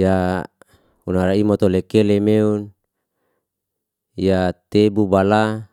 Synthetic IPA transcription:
ja | unaɾaimot̪olekelemeun | jat̪ebubala

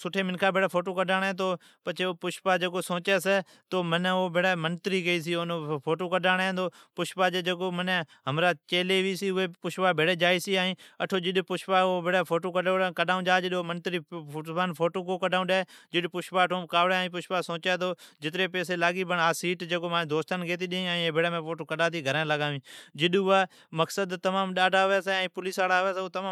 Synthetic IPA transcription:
sʊʈʰeːmɪnkʰaːbʱeːɽaːpʰoːʈ̬oːkəɗaːɽ̃ːt̪oː | pət͡ʃʰeopʊʃpaːd͡ʒəɡoːsõːt͡ʃɛːsɛ | t̪oːmənoːbeɽaːmənt̪ɾiːɡəiːsiːonpʰoːʈoːkəɗaːɽẽːnd̪oːpʊʃpaːd͡ʒeːd͡ʒəɡoːmənɦəmɾaːt͡ʃeːleːʋiːsiːʊeːpʊʃpaːbʱeɽeːd͡ʒaːiːsiːaːĩːəʈʰoːd͡ʒɪɗpʊʃpaːoːbʱeɽaːpʰoːʈoːkəɗokəɗaːũːd͡ʒaːd͡ʒɪɗoːmənt̪ɾiːaːnpʰoːʈoːkoːkəɖaːũɗaːd͡ʒɪɗpʊʃpaːʈõːbkaːʋɽeĩːp̬ʊʃpaːsõːt͡ʃaːd̪oːd͡ʒɪt̪ɾeːpeːs̬eːlaːɡiːbʱəɳaːsiːʈd͡ʒekoːmãːd̪oːst̪ənɡeːt̪̬iːɗĩĩeːbʱɪɽeːmẽːpʰoːʈoːkəɗaːt̪iːɡʱəɾãːləɡaːʋĩːd͡ʒɪɗʊaː | məksəd̪t̪əmaːmɗaːɖaːʋeːseːɛ̃ːpʊliːsaːɽaːʋeːsːt̪əmãː

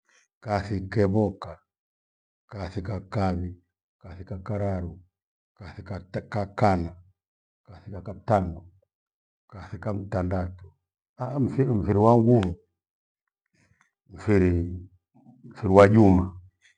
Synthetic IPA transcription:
kaθikɛβɔka | kaθikakaβi | kaθikakaɾaɾu | kaθikakakana | kaθikakataŋɔ | kaθikam̩tandatɔ̥ | am̩fim̩fiɾiwaŋɡuβɔ | m̩fiɾi | m̩fiɾiwad͡ʒuma

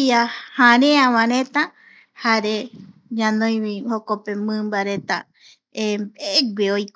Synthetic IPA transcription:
iahãɾẽãβãɾẽt̪a | haɾe | ɲãnõj̃βihokopemɨ̃mbaɾe̞t̪a | embeɡʷeojk

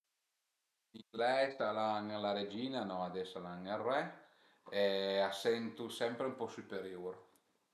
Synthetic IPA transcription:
iɡlɛjsalaŋlaɾed͡ʒiːnanɔad̪ɛsalaŋerːɛ | ɛasɛnt̪usɛmpɾeumpɔsypeɾjuɾ

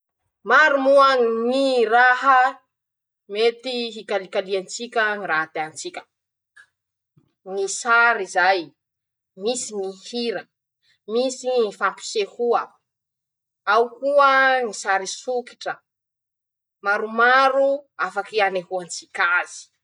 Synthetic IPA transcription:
maɾumuaniraɦə | met̪iɦikalikaliant͡sikʲəniɾaɦt̪eant͡sikʲə̥ | nisaɾizaj | misinihiɾə | misifampi̥sehuə | awkuənisaɾisuki̥ʈ͡ʂə | maɾumaɾuafakianehuant͡sikʲaz̥i̥

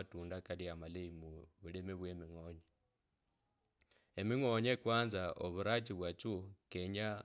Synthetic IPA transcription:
atuːndakadiamaleimuβulemeβwemiŋoɲe | emiŋoɲekwaːnzaoβuɾatiβwat͡ʃukeɲa

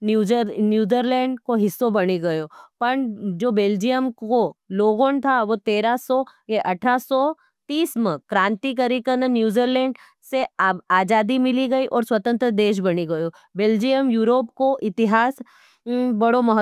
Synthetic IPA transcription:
njuːd͡ʒnjuːd͡ʒiɾlɛ̃ːɳɖkoɦɪsːobɐneɡɐjoːpɐɳd͡ʒoːbeːld͡ʒijəmkoloːɡõnt̪ʰaʋot̪eːɾasɔjeʔɐʈʰasɔ | t̪iːsmẽkɾãːnt̪ikɐɾikɐnənjuːd͡ʒiɾlɛ̃ːɳɖ | seaːd͡ʒaːd̪imɪliɡɐiʔɔːɾswɐt̪ə̃nt̪ɾəd̪eːʃ̬bɐniɡɐjo | beːld͡ʒijəmjuːɾoːpkoʔɪt̪ɪɦaːs | bɐɽomɐɦ

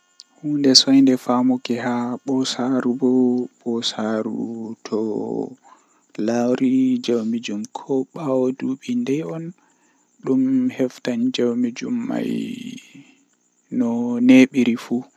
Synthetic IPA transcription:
huːndɛsɔjndɛfamɔkɛhaɓɔsaɾubɔɓɔsaɾṵtʰɔ | lawɾid͡ʒowmid͡ʒumkʰɔɓawoduɓindɛjɔn | ɗumhɛftand͡ʒowmid͡ʒumːa̰j | nɔneɓiɾifuː

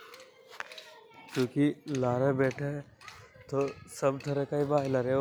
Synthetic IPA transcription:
kjũːkilaːɾẽːbeːʈʰe | t̪oːsəbt̪ʰəɾekaibaːɦlaɾe

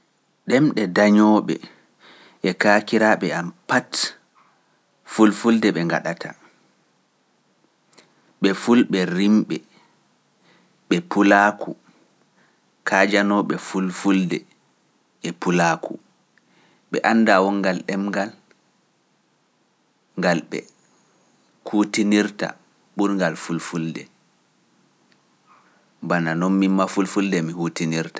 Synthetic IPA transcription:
ɗɛmɗɛdaɲɔɓɛ̰ | ʔɛkakiɾaːɓɛampat | fulfuldɛɓɛŋɡa̰ɗatʰa | ɓɛfulɓɛɾimɓɛ | ɓɛpulaːkʰu | kʰaːd͡ʒanɔɓɛfulfuldɛ̰ | ɛpulakʰṵ | ɓɛ̰ʔanːdawɔŋɡalɗɛmɡal | ŋɡalɓɛ̰ | hutiniɾta̰ | ɓuɾŋɡalfulfuldɛ̰ | bananɔnmimmafulfuldɛmihutiniɾtḁ

